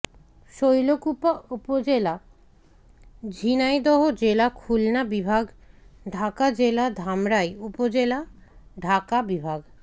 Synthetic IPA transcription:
ʃojlokupaupod͡ʑela | d͡ʑʱinajd̪ɔɦod͡ʑelakʰulnabibʱaɡɖʱakad͡ʑelad̪ʱamɾaejupod͡ʑelaɖʱakabibʱaɡ

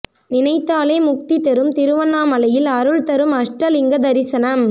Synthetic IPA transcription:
nɪnɐɪt̪ːaːleːmʊk̚t̪it̪ɛɾɯmt̪ɪɾɯʋɐnːaːmɐlɐjɪlɐɾɯɭt̪ɐɾɯmɐʂʈɾɐlɪŋɡɐd̪ɐɾɪsɐnɐm

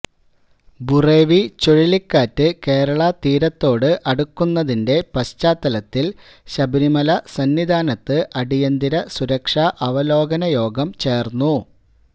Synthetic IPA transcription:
bure̞ːʋit͡ɕoɻilikːaːtːɨke̞ːɾɐɭɐt̪iːɾɐt̪ːo̞ːɽɨʔɐɽukːunːɐðinde̞pɐɕt͡ɕaːt̪ːɐlɐt̪ːil | ɕɐbɐɾimɐlɐsɐnːʋid̪ʱaːnɐt̪ːɨʔɐɽijɐnd̪iɾɐsuɾɐkʂaʔɐʋɐlo̞ːɡɐnɐjo̞ːɡɐmt͡ɕe̞ːrnːu

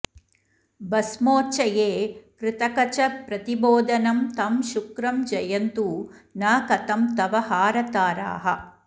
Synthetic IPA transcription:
bɐsmoːt͡ʃɐjeːkɾɪt̪ɐkɐt͡ʃɐpɾɐt̪iboːd̪ɐnɐmt̪ɐmʃukɾɐmd͡ʒɐjɐnt̪unaːkɐt̪ɐmt̪ɐʋɐhaːɾɐt̪aːɾa̰ːɦɐ

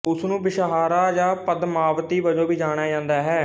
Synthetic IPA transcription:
ʊsnũːbɪʃəɦaːɾaːd͡ʒaːpəd̪maːʋt̪iːbəd͡ʒõːbiːd͡ʒaːɽ̃aːd͡ʒãːnd̪aːɦɛː

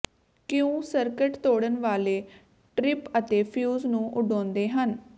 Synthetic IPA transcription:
kɪjõːsəɾkəʈt̪oːɽənʋaːleː | ʈɾɪpət̪eːpʰjuːznũːʔʊɖɔ̃ːnd̪eːɦən

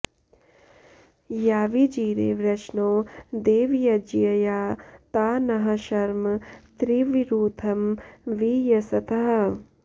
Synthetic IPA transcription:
jaːʋid͡ʒiːɾḛːʋɾɐʃnoːd̪eːʋjɐd͡ʒijɐjaːt̪aːnɐɦɐʃɐɾmɐt̪ɾiʋiɾuːt̪ʰɐmʋijɐsɐt̪ʰɐɦɐ

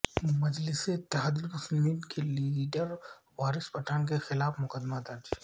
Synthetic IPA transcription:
mɐd͡ʒlɪseɪt̪ːɪɦaːd̪ilpʊsnd̪iːnkʰeliːɖəɾ | ʋaːɾɪspɐʈʰaːnk̬exɪlaːfmʊkəd̪mat̪aːd͡ʒi

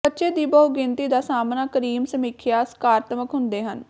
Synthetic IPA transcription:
ətːʃeːd̪iːbəɦuɡɪ̃nt̪iːd̪aːsaːmnaːkəɾiːmsəmiːkʰjaːsə̥kaːɾət̪əməkɦʊnd̪eːɦən

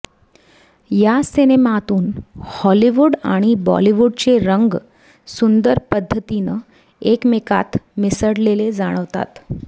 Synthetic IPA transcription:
jasenemat̪uːnhɔliʋuɽaɽ̃ibɔ̰liʋuɽt͡seɾəŋɡ | sund̪əɾpəd̪ʱːət̪inə | ekmeka̰t̪misəɽleled͡zaɽ̃əʋt̪a̰t̪

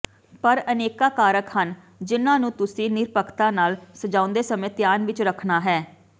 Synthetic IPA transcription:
pəɾəneːkaːkaːɾəkhən | d͡ʒɪnãːnũːt̪ʊsĩːnɪɾpəkʰt̪ãːnaːlsəd͡ʒãːʊ̃nd̪eːsəmẽːt̪jaːnʋɪt͡ʃɾəkʰnaːɦɛː

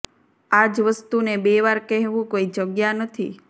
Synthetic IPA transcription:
ad͡ʒʋəst̪unebeʋaɾkɛɦʋũkoid͡ʒəɡjanət̪ʰḭ

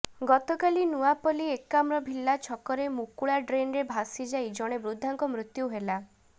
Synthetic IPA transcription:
ɡɔt̪ɔkalinuapɔliekːamɾɔbʱilːat͡ʃʰɔkɔɾemukuɭaɖɾenɾebʱasid͡ʒajd͡ʒɔɽ̃ebɾud̪ʱːaŋkɔmɾut̪juɦela

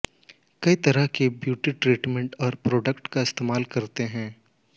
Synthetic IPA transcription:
kɐit̪ɐɾəɦkebjuːʈiʈɾiːʈmɛ̃ɳʈɔːɾpɾoːɖəkʈkaɪst̪eːmaːlkɐɾt̪eɦɛ̃ː

